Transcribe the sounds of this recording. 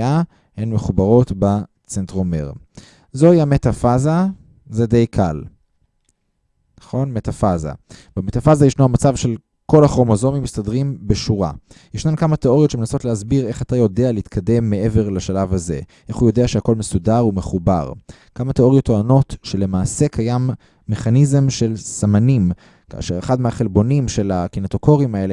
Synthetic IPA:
a | henme̞χubaʁo̞tba | t͡sentʁomḛʁ | zo̞iametafaza | zede̞jkʰal | naχo̞nmetafaza̰bemetafazajeʃnuamat͡savʃe̞l | ko̞laχʁo̞mozo̞mimistadʁimbeʃuʁa̰ | jeʃnankamat̪e̞o̞ʁijotʃeme̞naso̞tlehazbiʁe̞χatajo̞dealeitkʰade̞mːe̞e̞ve̞ʁlaʃalavaze̞̰ʔe̞χujo̞deaʃeako̞lmesudaʁume̞χuba̰ʁ | kamateo̞ʁijo̞tːoano̞tʃe̞le̞maːse̞kʰajamː | eχanizemʃe̞lsamanim | ka̰ːʃeʁeχadmehaχe̞lbo̞nimʃe̞lakinetoko̞ʁimae̞le

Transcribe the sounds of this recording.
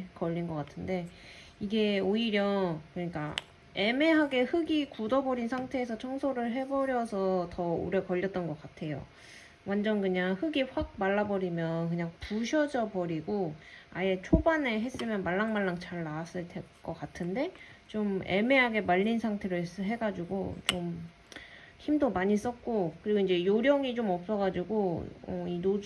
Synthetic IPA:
kʌʎːinɡʌk͈atʰɯnde̞ | iɡe̞oiɾjʌkɯɲik͈a | e̞me̞ɦaɡe̞hɯɡikudʌbʌɾinsʰaŋtʰe̞ːs̬ʰʌt͡ɕʰʌŋsʰoɾɯɭɦe̞bʌɾjʌsʰʌtʌṵɾjʌkʌʎːʌt̚t͈ʌnɡʌk͈atʰe̞jo̰ | wʔand͡ʑʌnkɯɲaŋhɯɡiɸwak̚maɭːabʌɾimjʌnkɯɲaŋpuɕʰʌd͡ʑʌbʌɾiɡoaje̞t͡ɕʰobaneɦe̞s͈ɯmjʌnmaɭːaŋmaɭːaŋt͡ɕaɭːaas͈ɯɭtʰek͈ʌk͈atʰɯnde̞t͡ɕome̞me̞ɦaɡe̞maʎːinsʰaŋtʰe̞ɾɯɭsɦe̞ɡad͡ʑuɡot͡ɕom | çimdomaɲis͈ʌt̚k͈okɯɾiɡoind͡ʑe̞joɾjʌŋit͡ɕomʌp̚s͈ʌɡad͡ʑuɡoʌ̰ino

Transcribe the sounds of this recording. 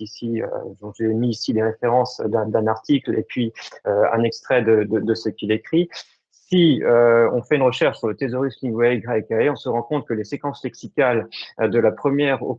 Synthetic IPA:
isiø̰d̪ɔ̃ʒemiːsileʁefeʁɑ̃sd̪ɛ̃d̪ɛ̃naʁt̪ʰiklḛpɥiøɛ̰̃nɛkst̪χɛd̪əd̪əd̪əsəkʲilekχi | siøɔ̰̃fɛynʁəʃɛʁʃsyʁlət̪ezɔʁislĩŋɡwɛɡʁɛkaeɔ̃səʁɑ̃kɔ̃t̪kəlesekɑ̃slɛksikʲald̪əlapχəmjɛʁo̰

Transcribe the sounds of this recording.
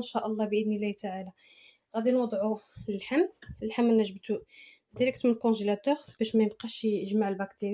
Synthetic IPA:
nʃæʔəlˤːɑbəʔəd̪nəlːæht̪aʕalæ | ɣæd̪inwɑd̪ˤʕuləlħamːəlħamːənːæʒəbt̪u | d̪iɾæk̚t̪mənəlkɔ̃ʒelæt̪uʁb̥æʃmæjəbqiʃəʒmaʕəlbækt̪əɾ

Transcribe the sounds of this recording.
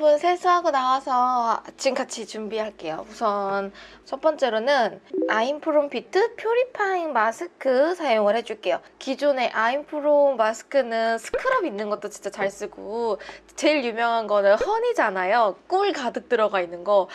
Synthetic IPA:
bunsʰesʰɯɦaɡonawasʰʌt͡ɕ͈imkat͡ɕʰit͡ɕumbiɦaɭk͈e̞jo̰musʰʌnt͡ɕʰʌp͈ʌnt͡ɕ͈e̞ɾonɯnaimpʰɯɾompʰitʰɯpʰjoɾipʰaiŋmasʰɯkʰɯsʰajoŋɯɭhe̞d͡ʑuɭk͈e̞jokid͡ʑune̞ʔaimpʰɯɾommasʰɯ̥kʰɯnɯnsʰɯ̥kʰɯɾʌbinːɯnɡʌt̚t͈ot͡ɕint͡ɕ͈at͡ɕaɭs͈ɯɡu | t͡ɕe̞ɭjumjʌŋɦanɡʌnɯɭhʌnid͡ʑanajok͈uɭkadɯk̚t͈ɯɾʌɡainːɯnɡʌ

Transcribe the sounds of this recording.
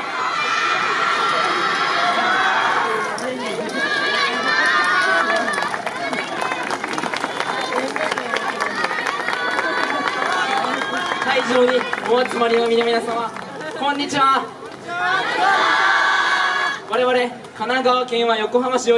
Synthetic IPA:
saiʑoːɲ̟ioβat͡sɨmaɾʲino̞mʲinomʲinasãma | kõɲ̟ːit͡ɕiβa | βaɾe̞βaɾe̞ | kanaɡaβakẽ̞ɰ̃βajo̞ko̞ɦamaɕio

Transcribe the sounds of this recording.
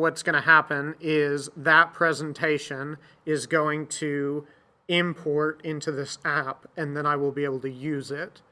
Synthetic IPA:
wʌtsɡ̥ʌɾ̃ɨhæpɨ̃nɪzðət̚pʰɹ̥ɛz̃ntʰeɪʃɨ̃n | ɪzɡoʊɪ̃ŋtʰɨ | ɪ̃mpʰɔɹɾɪ̃ntʰʉðɪsæpɨ̃nðɨ̃ñaɪwəlˠbieɪbl̩ˠtʰɨjʉzɪt̚

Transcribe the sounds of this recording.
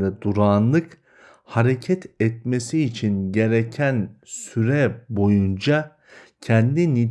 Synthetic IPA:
ɛd̪uɾaːnlˠɯk | haɾecʰɛt̪ɛt̪mesiːt͡ʃʰinɟe̞ɾecʰænsyɾɛbo̞jund͡ʒa | cʰɛnd̪ini

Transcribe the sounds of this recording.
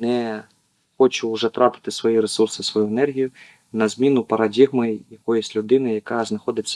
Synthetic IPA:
nɛ | xɔt͡ʃʊːʐɛt̪ɾʔɑpɪ̥t̪ɪsʋɔjiɾesursɪsʋɔjuenɛrɦʲijʊ | nɐzʲmʲinʊpɐɾɐdʲiɣmɪjɐkɔjisʲtʲlʲʊd̪ɪnɪjɐkɑznɐxɔd̪ɪt͡sʲːɐ

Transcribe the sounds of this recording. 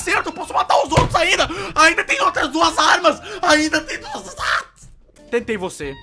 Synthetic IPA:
seɾt̪ʊpɔsʊmat̪aɾʊzowt̪ɾʊzaĩnd̪ɐaĩnd̪ɐt̪ẽj̃owt̪ɾɐzd̪uɐzaɾmɐsaĩnd̪ɐt̪ẽj̃d̪uɐzzat̪ɪs | t̪ẽnt̪ejvose

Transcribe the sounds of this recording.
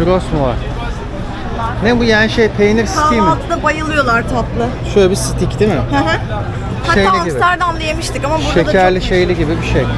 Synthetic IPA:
uɾosmva̰ɾ̥ | nɛbujaːniʃejpʰejiniɾsi̥tijmˠt̪ʰɯd̪abajɯlˠɯjo̞lˠaɾt̪ʰaplˠɯʃøjlʲɛbisi̥t̪ʰicd̪imɪhɦʰ | aʃejliaɟibiæɾd̪anlˠajemɯʃt̪ʰikamabbuʃec̪ʰæɾlʲiʃejlʲiɟibibiʃej

